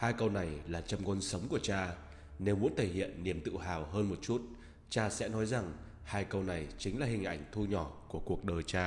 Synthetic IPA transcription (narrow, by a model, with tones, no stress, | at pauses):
haː˧jkə˧wna˨˩jlaː˨˩t͡ɕa˧mkɔ˧nsə˨˦wŋ͡mku˧˩ət͡ɕaː˧ | ne˨˧wmṵ˧˥ənt̪ʰe˧˩hḭ˧˨ənːi˨˩əmt̪ɨ̰˧˨ɦaː˨˩wɦəː˧nmo˨˩t̚t͡ɕu˦˥t̚ | t͡ɕaː˧sɛ̰˧˥nɔ˨˦jza˨˩ŋ | haː˧jkə˧wna˨˩jt͡ɕï˨˦ŋ̟laː˨˩hï˨˩ŋ̟ʔa˧˩jŋ̟t̪ʰu˧ɲɔ˧˩ku˧˩əku˨˩ək̚ɗəː˨˩jt͡ɕaː˧